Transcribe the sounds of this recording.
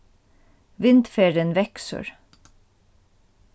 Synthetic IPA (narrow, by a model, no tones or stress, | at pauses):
ʋɪnd̪feːɹənʋɛksə̰ɹ